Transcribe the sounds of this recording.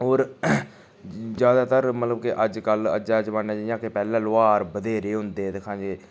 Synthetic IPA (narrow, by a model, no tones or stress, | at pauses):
oːɾ | d͡ʒjaːd̪aːt̪əɾmət̪ləbkɪʔəd͡ʒkələ̰d͡ʒaːd͡ʒʋaːneːd͡ʒaːjãːkepɛːlãːlʊaːɾbəd̪eːɾeːɦʊnd̪eːt̪ekʰãːd͡ʒeː